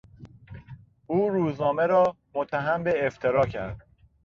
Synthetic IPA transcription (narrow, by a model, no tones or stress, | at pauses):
uːɾuːznɒːme̞ɾɒː | mot̪ʰːæɦæmbe̞ːft̪ʰeɾɒːcʰæ̰ɾd̪̥̚